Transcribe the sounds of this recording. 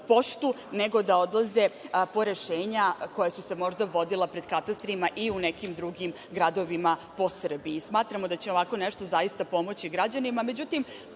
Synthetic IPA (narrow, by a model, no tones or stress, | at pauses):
po̞ʃt̪u | ne̞ɡo̞d̪aod̪lˠaze̞po̞ɾe̞ʃe̞ːɲako̞jasuse̞mo̞ʒd̪aʋo̞d̪ilepɾe̞d̪kat̪ast̪ɾimaʔiunekimd̪ɾuɡim | ɡɾad̪o̞ʋimapo̞sr̩biismaːt̪ɾamod̪at͡ɕeo̞ʋako̞neʃt̪o̞zajist̪apo̞mo̞t͡ɕiɡɾad͡ʑanimame̞d͡ʑut̪im